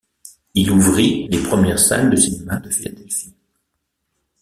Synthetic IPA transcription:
iluvʁilepχəmjɛʁsa̰nd̪əsinemad̪əfila̰d̪ɛlfi

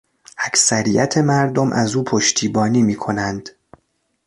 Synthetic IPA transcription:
ʔæcsæɾijæt̪ʰe̞mæɾd̪o̞mʔæzuːpʰo̞ʃt̪ʰiːbɒːniːmiːkʰo̞nænd̪̥

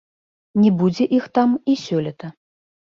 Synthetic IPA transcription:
nʲɛbud͡zʲɛʔixt̪amisʲɔlʲɛt̪ɐ

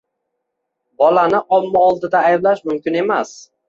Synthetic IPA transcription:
bɒlanɪʔɒmːaɒlˠd̪ɪd̪aːjblaʃmʊmkʲɪne̞mas

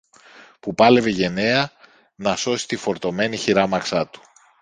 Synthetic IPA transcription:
pupɐle̞ve̞ʝe̞ne̞ɐ | nɐso̞si̥t̪ifo̞ɾt̪o̞me̞niçiɾɐmɐksɐt̪u̥

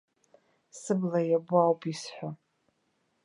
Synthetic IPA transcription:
sɨblajabʊawpʰʼisħʷa

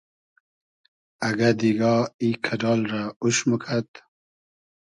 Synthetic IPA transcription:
aɡad̪iɡɑikʰadɑːlɾauʃməkʰat̪

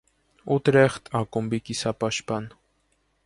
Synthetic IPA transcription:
ut̪ɾeχt̪akombikisapaʃpan

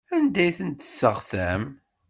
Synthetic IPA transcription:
ænd̪æjθənt̪ə̥sːəʁθæm

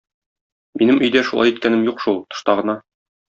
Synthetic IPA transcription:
minɘmʔɵ̆jd̪æʃulˠɑjit̪̚kænɘmjuqʃulˠt̪ŏ̥ʃt̪ɑʁɤ̆nɑ

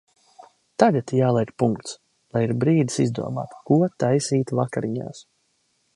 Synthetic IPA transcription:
t̪aɡat̪jaːlˠɛjkpuŋkt̪s | lˠajiɾbɾiːd̪i̥sizd̪ṵɔma̰ːt̪kuɔt̪ajsiːt̪vakaɾiɲa̰ːs

